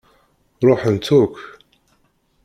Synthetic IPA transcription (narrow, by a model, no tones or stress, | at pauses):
ɾˤoħənt̪ːuk